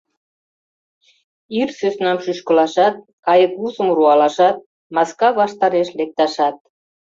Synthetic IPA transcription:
irsøsnɑmʃyʃkəlɑʃɑt̪̚ | kɑjəkuzəmruɑlɑʃɑt̪̚ | mɑskɑβɑʃt̪ɑɾeʃlek̚t̪ɑʃɑt̪̚

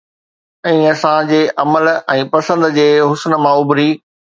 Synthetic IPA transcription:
ĩːɐsãd͡ʑeːʔɐməlɛ̃ːpɐsə̃nd̪d͡ʑeːɦʊsnmãʊbɾiː

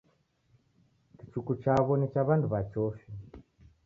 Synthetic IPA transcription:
kit͡ʃukut͡ʃaβonit͡ʃaβandʰuβat͡ʃoːʃe

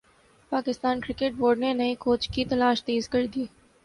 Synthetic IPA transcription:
paːkɪst̪aːnkɾɪkeʈ̚boːɾɖnenɐikoːt͡ʃkit̪ɐlaːʃt̪eːzkɐɾd̪ieː

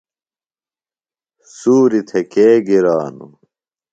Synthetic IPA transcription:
suːɾit̪ʰekeːɡiɾaːnṵ

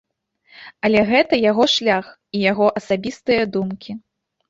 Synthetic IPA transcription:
ɐlʲɛɣɛt̪ɐjaɣɔʂlʲax | ijaɣɔʔɐsabʲist̪ɨjɐd̪umkʲi

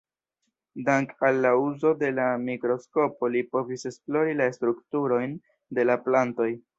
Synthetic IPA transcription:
daŋkalːauzo̞de̞lamikɾo̞sko̞po̞lipo̞vise̞splo̞ɾilaestɾuktuɾo̞jn | de̞laplanto̞j

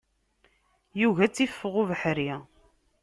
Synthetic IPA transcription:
juʝæt͡sːifːəʁuvəħɾi

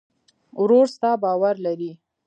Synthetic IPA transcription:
wɾoɾst̪ɑbɑwaɾlaɾi

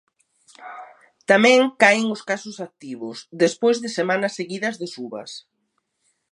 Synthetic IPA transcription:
t̪amɛ̃ŋkaɪŋʊskasʊsak̚t̪iβʊsðespojzðɪsemanɐsːeɣiðɐzðɪsuβɐ̰s

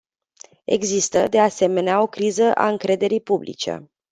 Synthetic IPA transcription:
e̞̰ɡzist̪əd̪e̞ase̞me̞neao̞kɾizəʔa̰ɨŋkɾe̞d̪e̞ɾijpublʔḭt͡ʃe̞̰

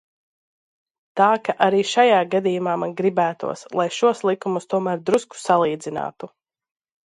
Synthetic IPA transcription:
t̪aːkaʔaɾiːʃajaːɡad̪ijumaːmanɡɾibæːt̪ṵɔslˠajʃuɔslˠikumust̪uɔmæːɾd̪ɾusku̥salˠiːd̪zina̰ːt̪u

